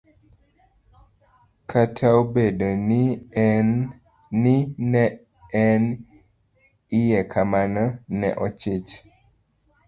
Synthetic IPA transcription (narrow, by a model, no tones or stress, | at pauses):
kʰatʰawbedoni | nɪnɛ | ɛn | ɪjɛkʰamanɔnɛ̰ʔɔt͡ʃɪt͡ʃ